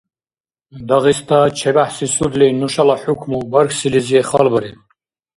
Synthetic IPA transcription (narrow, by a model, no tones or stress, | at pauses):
d̪ɐɣist̪ʰat͡ʃʰɛbaħsisud̪linuʃalaħukʰmubɐɾkʰsiliziɛχalbəɾi